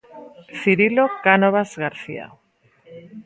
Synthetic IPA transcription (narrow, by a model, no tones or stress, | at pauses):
θiɾilokanoβazɣaɾθḭa̰